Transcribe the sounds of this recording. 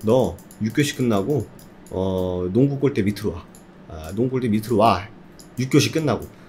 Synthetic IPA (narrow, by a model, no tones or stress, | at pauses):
nʌ | juk͈joɕʰi̥k͈ɯnːaɡo | ʌnoŋɡuk͈oɭt͈e̞mitʰɯɾowa̰ | noŋukoɭt͈emitʰɯɾowaɭ | juk͈joɕʰi̥k͈ɯnːaɡo